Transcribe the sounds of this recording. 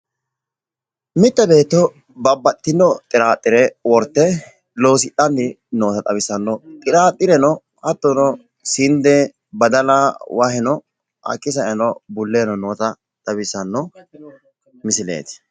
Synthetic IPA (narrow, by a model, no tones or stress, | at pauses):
mɪt̪ːɐbe̞ːt̪ːɔ | bɐbːɐt̪ːɪnːɔt̪ʼɪɾaːt̪ʼːɪɾɛwɔɾt̪ːɛ | lo̞ːsɪt̪ʼːɐnːɪ | noːt̪ɐt̪ʼɐbɪsːɐnːɔt̪ʼɪɾaːt̪ʼːɪɾɛnɔ | hɐt̪ːɔnɔ | sɪnd̪ɛ | bɐd̪ɐlawɐhɛnɔ | ʔɐ̰kʼːɪs̬ɐʔɛnɔbʊlːeːnɔnoːt̪ɐ | t̪ʼɐbɪsːɐnːɔ | mɪsɪlḛːt̪ɪ̥